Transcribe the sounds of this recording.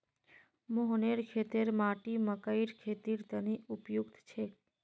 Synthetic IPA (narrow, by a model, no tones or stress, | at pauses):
moɦneɾkʰet̪eɾmaʈiməkəiɾkʰet̪iɾt̪əniupjukt̪t͡ʃʰe